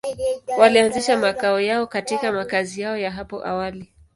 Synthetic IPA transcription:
walianziʃamakaɔjaɔkatikamakazijaɔjaɦapɔ̰ʔa̰wali

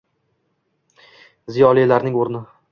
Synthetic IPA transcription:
zijɒlijlaɾnɪŋoɾnɪ

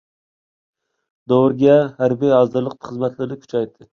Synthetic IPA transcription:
d̪owɾɡʲahaɾbijɑzd̪ɨɾlˠɨq̚t̪χɨzmat̪ʰlɪɾnɪkʲʰy̥t͡ʃʰajd̪ɪ

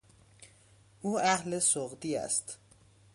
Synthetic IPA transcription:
ʔuːæhlesoɣd̪iːæ̰st̪

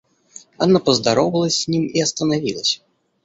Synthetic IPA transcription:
a̰napəzd̪aɾɔvɐlˠəsʲzʲnʲimiɐst̪ɐnavʲilˠəsʲ

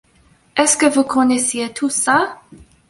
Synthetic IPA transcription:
ɛskəvukʰɔnɛsjet̪ʰusa

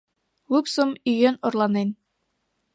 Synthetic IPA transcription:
lupsomyjenŏrlˠɑnen

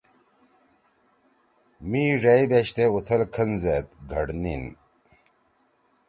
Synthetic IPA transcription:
miːʐeibeɕt̪eut̪ʰɐlkʰɐnzeːt̪̚ɡʱɐɽnin

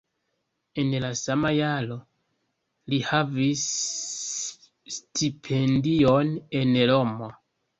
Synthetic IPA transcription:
enlasamajalo | lihavis | tʰipʰendionenɾomo

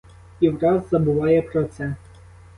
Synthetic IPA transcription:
iwɾɑzːɐbʊʋɑjɛpɾɔt̪sɛ

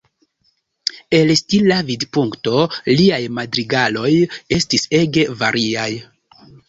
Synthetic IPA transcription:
e̞lstilavidpuŋkto̞liajmadɾiɡalo̞je̞stise̞ɡe̞vaɾʔiaj

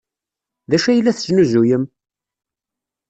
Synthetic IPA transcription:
ðæʃæjəlːæθəʒnuzujəm

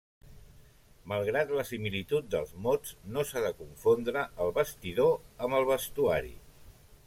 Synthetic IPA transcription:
məlˠɣɾat̪ləsimilit̪ut̪̚d̪ə̰lˠzmod͡znosaðəkuɱfond̪ɾəəlˠβəst̪iðoəmbəlˠβəst̪ua̰ɾḭ

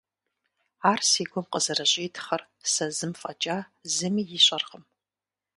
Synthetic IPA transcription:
aːrsiːɡʷɔmqəzɐrɐɕʼiːtʰχɐr | sɐzɨmfʼɐt͡ʃʼazɨmiːjɪɕʷʼɐrʁəm

